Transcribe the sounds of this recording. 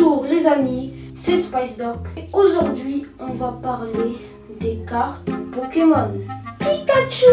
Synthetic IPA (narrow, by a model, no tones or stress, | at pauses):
uʁlezani | sespajsd̪ɔpoʒuʁd̪ɥiɔ̃vapaʁle | d̪ekaʁt̪bɔkemɔnpikat͡ʃu